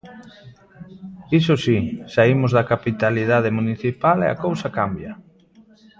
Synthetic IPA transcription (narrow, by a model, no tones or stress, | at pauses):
isosisaimʊzðakapit̪aliðaðemuniθipalḛa̰kowsakambjɐ